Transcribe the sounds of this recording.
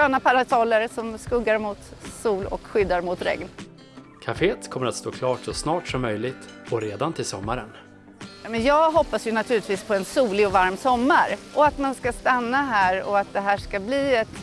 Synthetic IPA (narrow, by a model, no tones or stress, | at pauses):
øːnapʰaɾasɔlːəɾsɔmskɵɡːaɾmʊt̪suːlɔ̰kɧʏd̪ːaɾmʊt̪ɾɛ̰ŋn | kʰafeːət̪kʰɔmːəɾat̪st̪oːkʰlɑːʈʂɔsnɑːʈsɔmːœjlɪɡt̪ɔɾeːd̪ant̪ʰɪlsɔ̰mːaɾən | mɛnjɑːɡɦɔpːasjɵnat̪ʰʉːlɪt̪ʰviːspʰɔɛnsuːlɪɔvaɾmsɔmːaɾʔɔat̪manskast̪anːaɦæːɾɔ̰at̪̚d̪ɛɦæːʂkabliːɛt̪